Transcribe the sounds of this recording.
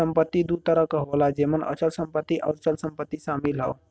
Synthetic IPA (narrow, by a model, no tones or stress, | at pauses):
əmpət̪ːid̪ut̪əɾəkəɦolad͡ʒemənʔə̰t͡ʃəlsəmpət̪ːiʔa̰ʊɾt͡ʃəlsəmpət̪ːisamilɦə̰w